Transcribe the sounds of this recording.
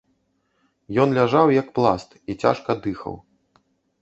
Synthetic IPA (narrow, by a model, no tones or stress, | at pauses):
jɔnlʲaʐawjɐkplˠa̰st̪it͡sʲa̰ʂkɐd̪ɨxɐ̰w